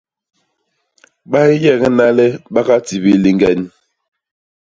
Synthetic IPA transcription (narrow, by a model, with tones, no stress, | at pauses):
ɓa˦i˦jɛ˦˨ŋɛ˦na˦lɛ˦ɓa˦ka˦ti˨bi˨li˨ŋɡɛ˨n˦